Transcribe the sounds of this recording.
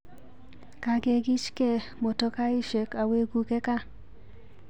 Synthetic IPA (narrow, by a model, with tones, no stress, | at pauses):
ka˨ɡe˨ɡɪ˦t͡ʃkɛ˦ | mo˨tɔ˦ka˦ɪ˦ʃe˨ka˨we˦ɡu˨kɛ˦ka˦